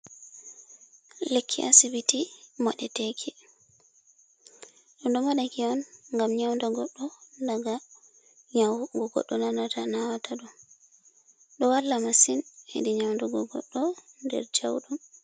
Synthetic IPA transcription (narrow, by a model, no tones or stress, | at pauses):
lekʰːiʔasibitimaɗɛtekʰi | ɗɔndɔmaɗakiɔnŋɡamɲawndaɡɔɗːɔndaɡa | ɲaɡɔɡɔ̰ɗːɔnanatanawataɗɔ | ɗɔwalːamasinḛdiɲawndaɡɔɡɔ̰ɗːɔndɛ̰ɾd͡ʒa̰wɗum